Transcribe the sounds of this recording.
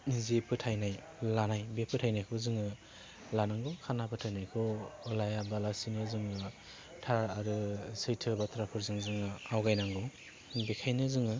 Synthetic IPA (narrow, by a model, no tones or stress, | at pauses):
zipʰɯtʰajnaj | lanajbepʰɯtʰajnajkʰɔzɯŋɯ | lanaŋɡɔkʰanapʰɯtʰajnajkʰɔɔlajabalasinɯzɯŋɯ | tʰaɾaɾɯsɯjtʰɯbatʰɾapʰɯɾzɯŋzɯŋɯawɡajnaŋɡɔ | bekʰajnɯzɯŋɯ